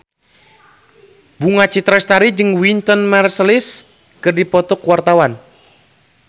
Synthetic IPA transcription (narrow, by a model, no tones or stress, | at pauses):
buŋat͡ʃit̪ɾast̪aɾid͡ʒɨŋwint̪ɔnmɛrsəlɪs | kɨrdipɔt̪ɔkwart̪awan